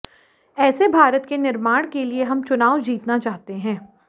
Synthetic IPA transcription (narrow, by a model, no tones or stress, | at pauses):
ɛːsebʱaːɾət̪kenɪɾmaːɽ̃kelieɦɐmt͡ʃʊnaːʋd͡ʒiːt̪nat͡ʃaːɦt̪eɦɛ̃ː